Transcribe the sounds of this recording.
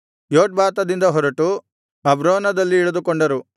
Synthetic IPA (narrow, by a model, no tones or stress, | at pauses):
joːʈ̚baːt̪ɐd̪ind̪ɐɦɔɾɐʈu | ɐbɾoːnɐd̪ɐlːiːɭɐd̪ukɔɳɖɐɾu